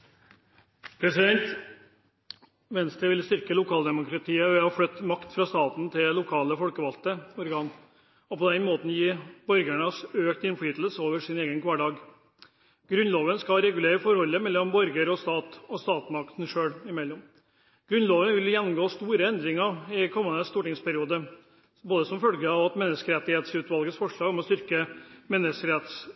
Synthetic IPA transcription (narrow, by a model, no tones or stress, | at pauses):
pʰɾɛsɪd̪ɛnt̪ | ʋɛnst̪ɾəʋɪlst̪ʏɾkəlʊkʰɑːld̪ɛmʊkɾɑt̪ʰiːəʋɛhɑflœt̪ːmɑkt̪fɾɑːst̪ɑːt̪n̩t̪ʰɪllʊkʰɑːləfɔlkəʋɑlt̪əɔɾɡɑːn | ɔpɔd̪ɛnmoːt̪n̩jiːbɔɾɡæɳəsøːkt̪ɪnfliːt̪l̩səoːʋəʂɪneːɡənkʰʋɑːɖɑːɡ | ɡ̥ɾʉnloːʋənskɑɾɛɡʉleːɾəfɔɾhɔlːəmɛlːɔmbɔɾɡəɾɔst̪ɑːt̪ɔst̪ɑːt̪mɑkt̪n̩ʂøːɽɪmɛlːɔm | ɡ̥ɾʉnloːʋənʋɪljɛnːʊmɡoːst̪uːɾəɛnd̪ɾɪŋəɪkʰɔmːənəst̪uːʈɪŋspæɾɪuːd̪ə | boːd̪əsɔmfœlɡəɑʋɑt̪mɛnːəskəɾɛt̪ːɪheːt̪sʉːt̪ʋɑlɡəsfɔʂɭɑːɡɔmɔst̪ʏɾkəmɛnːəskəɾɛt̪s